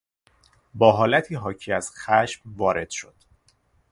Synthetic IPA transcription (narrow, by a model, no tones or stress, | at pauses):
bɒːɦɒːlæt̪ʰiːɦɒːcʰiːæz̥xæʃmvɒːɾe̞d̪̥ʃo̞d̪̥